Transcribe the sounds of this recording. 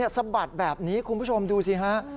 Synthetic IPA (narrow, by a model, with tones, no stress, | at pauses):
əsa˧ba˨˩t̪̚bɛː˨˩p̚niː˦˥kʰu˧npʰu˦˥˩t͡ɕʰo˧mduː˧sʰi˦˩ɦa˦˥ʔ